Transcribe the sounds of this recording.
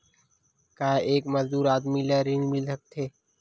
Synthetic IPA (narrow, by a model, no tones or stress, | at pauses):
kaːeːkmɐzd̪uːɾaːd̪milaɾinmɪlsək̚t̪ʰeː